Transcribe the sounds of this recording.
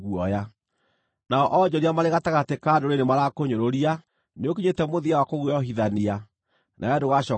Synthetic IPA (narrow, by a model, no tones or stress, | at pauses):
ɣuɔja | naɔʔɔd͡ʑɔɾiamaɾeɣataɣatekadoɾenemaɾakoɲoɾoɾia | neokiɲetɛmoðiawakoɣuɔɦiðania | nʔaɛdoɣaɕɔ